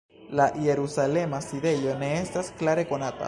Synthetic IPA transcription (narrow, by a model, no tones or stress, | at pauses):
lajeɾusale̞masiðe̞jo̞ne̞est̪asklaɾe̞ko̞nat̪a̰